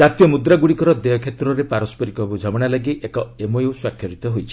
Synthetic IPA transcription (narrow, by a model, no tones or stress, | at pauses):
d͡ʒat̪ijɔmud̪ɾaɡuɽikɔɾɔd̪eɔkʰet̪ɾɔɾepaɾɔspɔɾikɔɦebud͡ʒʱɔmɔɽ̃alaɡiʔekɔemoewswakʰːjɔɾit̪ɔɦojt͡ʃʰi̥